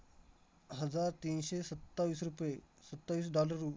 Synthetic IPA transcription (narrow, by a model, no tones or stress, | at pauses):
ɦəd͡zaɾt̪iːnɕesət̪ːaʋiːsɾupjesət̪ːaʋiːsɖɔləɾːu